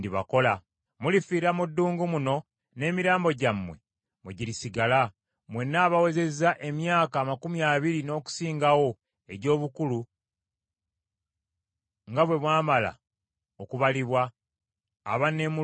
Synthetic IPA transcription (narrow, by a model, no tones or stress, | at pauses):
diβa̰ko̞la | mulifiːɾamudːuːŋɡumuno̞ | ne̞ːmiɾaːmbo̞ɟamːwe̞̰ | muɟilisiɡala | mwe̞nːaːβawe̞ze̞zaʔe̞mjaːkaːmakumjaːβiɾino̞ːku̥siːŋɡawo̞ | e̞ɟo̞ːβukulu | ŋɡaβwe̞βwaːmala̰ | okuβaliβwa̰ː | βane̞mu